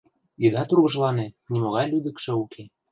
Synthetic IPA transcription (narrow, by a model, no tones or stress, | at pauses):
id̪ɑt̪uɾɣɤ̆ʒlɑnenʲimoɣɑjlyd̪ə̆kʃɤ̆ukʰe